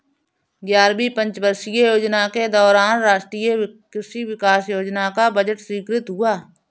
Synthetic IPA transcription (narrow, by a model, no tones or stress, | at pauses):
ɡjaːɾbipə̃ɲt͡ʃbəɾsijəjoːd͡ʒnaked̪ɔːɾaːnɾaːʃʈɾiːjəkɾɪʃiwɪkaːsjoːd͡ʒnakabəd͡ʒəʈswiːkɾɪt̪ɦʊaː